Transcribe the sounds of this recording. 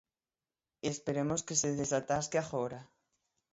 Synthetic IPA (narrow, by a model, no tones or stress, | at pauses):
espeɾemoskeseðesat̪askeaxoɾa